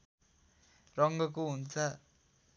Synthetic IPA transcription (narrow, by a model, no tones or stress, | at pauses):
rʌŋɡʌkoɦunt͡sʰʌ